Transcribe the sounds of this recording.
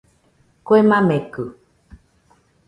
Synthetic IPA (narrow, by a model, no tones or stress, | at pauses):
koemãmẽkɨ